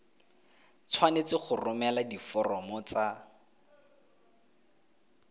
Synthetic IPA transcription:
t͡sʰwanet͡sɪχʊrʊmɛladifɔrɔmɔt͡sa

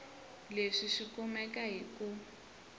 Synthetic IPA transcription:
leʂiʂikɔmɛkaɦiku

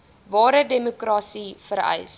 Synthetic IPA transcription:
vɑːɾədemokrɑːsifəɾɛ̰js

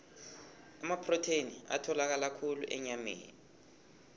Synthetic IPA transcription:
amapʰrɔtʰenia̰tʰɔlak̬alakʰulṵʔɛ̰ɲamḛːni

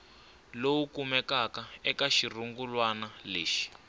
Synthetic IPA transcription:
lowukumɛkakaɛkaʃiruŋɡulwanaleːʃi̥

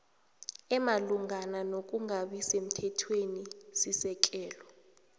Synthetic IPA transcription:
ɛmaluŋananok̬ʼuŋaɓisem̩tʰɛtʰwenisisɛk̬ʼɛːlɔ

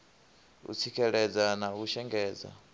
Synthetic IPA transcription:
ṵt͡sʰikʰɛɺɛd͡zanauʃɛŋɡɛːd͡za̰

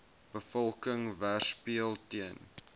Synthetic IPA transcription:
b̥əfɔlˠkəŋværspiəlˠtiən

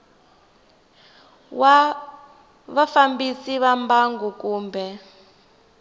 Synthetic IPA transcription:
wa | βafambisiβambaŋɡukuːmbʱɛ

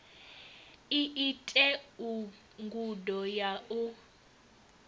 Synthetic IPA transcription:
iʔitʼɛu | ŋɡudɔjaʔu

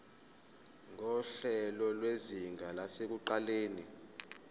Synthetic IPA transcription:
ŋɔɬɛlɔlweziŋʱalasek̬uǃaleːni

